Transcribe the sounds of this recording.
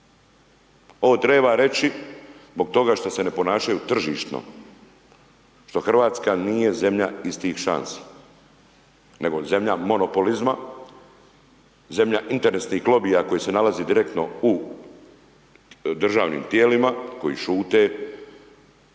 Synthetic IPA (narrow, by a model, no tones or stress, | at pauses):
o̞ot̪ɾe̞ːbaɾe̞t͡ʃizbo̞ɡ̚t̪o̞ɡaːʃt̪ose̞ne̞po̞naːʃajut̪r̩ʒiːʃt̪no̰ | ʃt̪o̞xr̩ʋaːt̪skanije̞ze̞mʎaist̪iːxʃa̰nsi̥ | ne̞ɡo̞ze̞mʎamo̞no̞po̞lizma | ze̞mʎaʔint̪e̞ɾesnixɡlo̞bijako̞jise̞nalaziːd̪iɾe̞k̚t̪no̞u | d̪r̩ʒaːʋnḭːmt̪je̞ːlimako̞jḭːʃuːt̪e̞